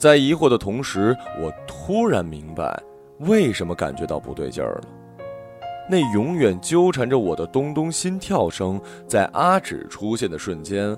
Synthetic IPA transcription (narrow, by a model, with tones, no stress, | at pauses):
t͡sa˥˩ɪi˧˥xwɔ˥˩d̪ə˩t̪ʰʊ˧˥ŋʂɻ̩˧˥wɔ˨˩t̪ʰu˥ɻa˧˥nmi˧˥ŋpa̰˧˩ɪ | we˥˩ɪʂə˧˥nmə˧ka̰˨˩nt͡ɕɥɛ˧˥t̪ɑ˥˩ʊpṵ˧˥t̪we˥˧ɪt͡ɕjə̰˞˥˩lə̰˩ | ne˥˩ɪjʊ˧˥ŋɥɛ˨˩nt͡ɕjo˥ʊʈ͡ʂʰa˧˥nʈ͡ʂə˧wɔ˨˩d̪ə˦t̪ʊ˥ŋt̪ʊ˥ŋɕi˥nt̪ʰjɑ˥˩ʊʂɤ˥ŋ | t͡sa˥˩ɪʔa˥ʈ͡ʂɻ̩̰˨˩ʈ͡ʂʰu˥ɕjɛ˥˩nd̪ə˩ʂwə˥˩nt͡ɕjɛ˥n